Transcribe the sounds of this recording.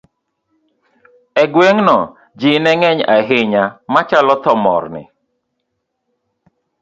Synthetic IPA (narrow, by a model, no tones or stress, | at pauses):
ɛɡweŋnɔ | d͡ʒɪnɛŋɛɲa̰ɦɪɲamat͡ʃalɔt̪ɔmɔ̰rnɪ̰